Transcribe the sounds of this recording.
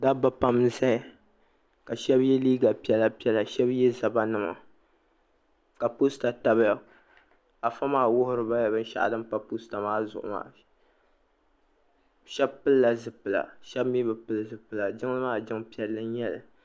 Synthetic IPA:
da˦ba˦pa˦mza˦˨ | ka˨ʃɛ˦bjɛ˦liː˦ɡa˨pi˦ɛ˨la˦pi˦ɛ˦la˨ʃɛ˦bjɛ˦za˨ba˦nɨ˦˨ma̰˨ | ka˨pu˦sta˨ta˨ba˦ | a˨fa˦maː˦wʊ˦hʊ˦ɾɨ˨ba˦ja˨bɨ˦n˦ʃa̰˨ʔdɨ˦m˦pa˦pu˦sta˨maː˦zʊ˨ʔʊ̰˨ma̰ː˦ | ʃɛ˦bpɨ˦lla˨zɨ˦pɨ˨la̰˨ʃɛ˦bmjɛ˦bɨ˨pɨ˦lɨ˦˨zɨ˨pɨ˨la˨d͡ʒɪ˦ŋ˦lɨ˦maː˦d͡ʒɪ˦ŋpi˦ɛ˦lːɨ˦n˦jɛ˦˨lɨ˨

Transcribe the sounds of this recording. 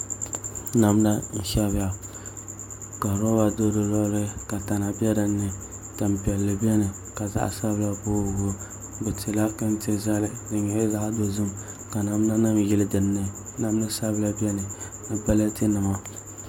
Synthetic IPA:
na˨m˦da˦n̩˨ʃa˦ba˨ | ka˨ɾo˦wa˨do˦dɨ˨lɔ˦ɾɪ˦ka˨ta˨na˨bʲɛ˦da˨nːɨ˨ | ta˨m˨pɛ˨lːɨ˨bɛ˦nɨ˨ | ka˨za̰˦ʔsa˦bla˦bo˦˨ɡo˦ | bɛ˨tɪ˨la˦kɨ˦n˦tɪ˦za˦lɪ˨dɨ˨ɲɛ˨ɪ˦za˦ʔdo˦zɨ˦m | ka˨na˨m˦na˦na˦mjɪ˦lɨ˦dɨ˨nː˦ɨ˦ | na˦m˦nɨ˦sa˦bla˦bɛ˦nɨ˨ | nɨ˨ba˦la˦ti˦nɨ˨ma˦

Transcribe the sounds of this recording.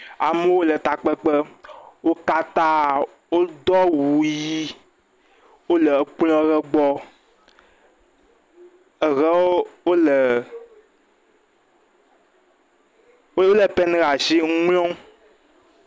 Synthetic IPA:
a˨me˦wo˦lə˨t̪a˨k͡pə˦k͡pə˦wo˦ka˦t̪a˦ | wo˦d̪ɔ˦wu˨ji˦ | wo˦lə˨k͡plɔ̃˦ɣə˦ɡ͡bɔ˦ | ə˨ɣɛ˦o˦wo˦lə˨˦ | o˦lə˨pɛ˦n˦ɣa˨ʃi˦ŋlɔ̃˦

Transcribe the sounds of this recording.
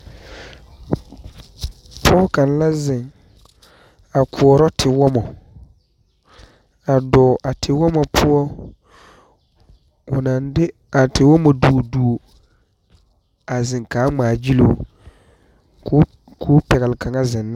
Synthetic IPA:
pʰɔ˦ka˨n˦la˦zɪ˨ŋ | a˨kʰu˨ɔ˨ɾɔ˦tʰɪ˨wɔ˦mɔ˨ | a˨dɔː˨ʔa˨tʰɪ˨wɔ˦mɔ˨pʰʊ˦ɔ˦ | ʊ˨na˨ndɪ˦ | a˨tɪ˨wɔ˦mo˨du˨o˨du˨o˨ | a˨zɪ˨ŋkaː˨˦ŋ͡maː˨d͡ʒi˦lo̰ː˨˦ | kʰʊː˦pɛ˨ɣɛ˨lɪ˨ka˨ŋa˦zɪ˨nː˦

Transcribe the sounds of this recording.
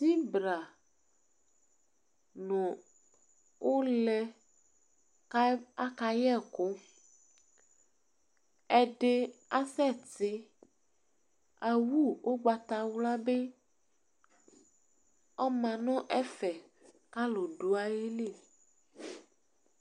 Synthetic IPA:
si˦bɾa˨ | nũ˨ | wʔo˦lɛ˦ | ka˦ka˦jɛ˦˨ko˦ | ɛ˦ɖe˦a˦sɛ˦˨tɪ˦ | a˨wu˦˨wʔo˦ɡ͡ba˨t̪a˨wla˦be˦ | ɔ˦mã˨nɔ̃˦ʔɛ˦fɛ˨ | ka˦lo˨ɖo˨a˦je˦le˦˨

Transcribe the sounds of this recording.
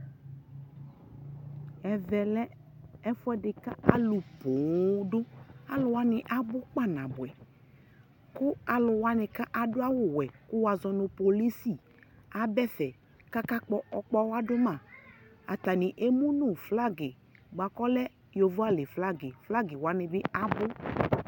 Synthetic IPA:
ɛ˨vɛ˨lɛ˦ | ɛ˦fʊ˦ɛ˦dɪ˨ka˦a˨lʊ˨po˨dʊ˦a˨lʊ˨wa˦nɪ˨ʔa˦bʊ˦k͡pa˦˨nã˨bʊ˨ɛ˨ | kʊ˦a˨lʊ˨wa˦nɪ˨ka˦ʔa˨dʊ˦a˦wʊ˦˨wɛ˨kʊ˦wa˨zɔ˨nʊ˨po˨li˦si˦˨ | a˨bɛ˦fɛ˨ | ka˦ka˦k͡pɔ˦ɔ˨k͡pɔ˦wa˦dʊ˦mã˦˨ | a̰˨t̪a˨nɪ˨ʔe˦mu˦nʊ˨fla˦ɡɪ˨ | ɡ͡ba˨kɔ˦lɛ˦ | jo˨vʊ˦a˦lɪ˨fla˦ɡɪ˨fla˦ɡɪ˨wa˨˦nɪ˨bɪ˦a˨bʊ˦

